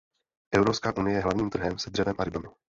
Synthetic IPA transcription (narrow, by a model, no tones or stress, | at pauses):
ʔɛvɾopskaːʔunɪjɛjɛɦlavɲiːmt̪r̩ɦɛmsɛd̪r̥ɛvɛmʔaɾɪbamɪ